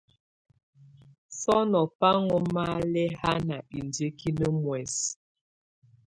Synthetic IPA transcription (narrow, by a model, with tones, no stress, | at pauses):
sɔ˦nɔ˨pa˦ŋɔ˦ma˦lɛ˦ha˦na˨i˨nde˦ki˦nə˦mwɛ˨s